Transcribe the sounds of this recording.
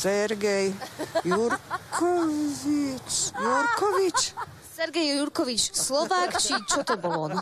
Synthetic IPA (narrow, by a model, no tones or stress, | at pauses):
sɛɾɡɛjjuɾkʰɔvvit͡ʃjuɾkɔvit͡ʃ | sɛɾɡɛjuɾkɔʋit͡ʃslɔʋakt͡ʃit͡ʃɔt̪ɔbɔlɔn